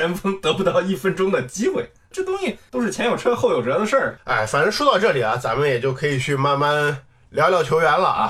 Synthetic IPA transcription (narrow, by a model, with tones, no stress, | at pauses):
ə˧˥nfɤ˥ŋt̪ɤ˧˥pu˧t̪ɑ˥˧ʊi˥˩fə˥nʈ͡ʂʊ˥ŋd̪ə˨t͡ɕi˥xwe˥˩ɪ | ʈ͡ʂɤ˥˩t̪ʊ˥ŋɕi˨˩t̪o˥ʊʂɻ̩˥˩t͡ɕʰjɛ˧˥njo˨˩ʊʈ͡ʂʰɤ˥xo˥˩ʊjo˨˩ʈ͡ʂjd̪ʂə˞˥˩a̰˥˧˩ɪfa˨˩nə˧˥ʂwɔ˥t̪ɑ˥˧ʊʈ͡ʂɤ˥˩li˨˩ɐ˦t͡sa˧˥mə˧˨njɛ˨˩t͡ɕjo˥˩ʊkʰɤ˧˥i˨˩t͡ɕʰy˥˧˩ma˥˧nma˥˩n | ljɑ˧˥ljɑ˧˥ʊt͡ɕʰjo˧˥ʊɥɛ˧˥nlɐ̰˧˨ɐ̰˧